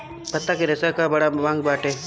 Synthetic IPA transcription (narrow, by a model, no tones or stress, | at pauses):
pɐt̪ːakeɾɐsakabɐɽaʋãːŋɡbaːʈeː